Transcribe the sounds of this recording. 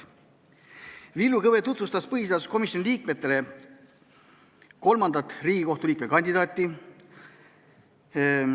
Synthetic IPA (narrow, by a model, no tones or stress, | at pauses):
vilːukɤvet̪ut̪vust̪ɑspɤɦis̬eɑt̪u̥sko̞misjoniliːk̚me̞t̪ːe̞le̞ | ko̞lmɑnd̪ɑt̪ːˑriːɡ̥iko̞ht̪uliːk̚mekɑnʲd̪id̪ɑːt̪ːˑi